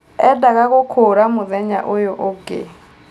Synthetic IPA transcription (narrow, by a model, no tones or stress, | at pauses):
ɛdakʼakʊkʰʊɾamʊðɛɲa̰ʔʊjɔʔʊɡḛ